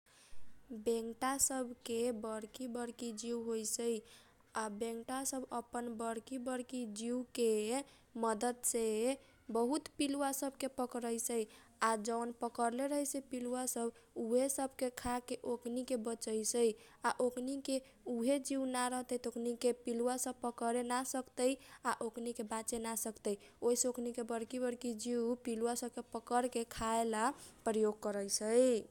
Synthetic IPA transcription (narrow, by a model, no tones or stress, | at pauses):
bẽŋʈasəbʱkebəɽkibəɽkid͡ʒiwɦojsəj | abẽŋʈasəbəpənbəɽkibəɽkid͡ʒiwke | məd̪əd̪se | bəɦut̪piluwasəbʱkepəkɾəjsəj | ad͡ʒənpəkəɾleɾəɦəjsepiluwasəbuɦesəbʱkekʰakeʔokʰnikebət͡ʃəjsəj | aʔokʰnike | uɦed͡ʒiunaɾəɦt̪əit̪okʰnikepiluwasəbpəkəɾenasəkt̪əjaʔokʰnikebat͡ʃenasəkt̪əj | oisə̃okʰnikebəɾkibəɾkid͡ʒiupiluwasəb̚kepəkəɾkekʰaelapɾəjoɡ̚kəɾəsʰəj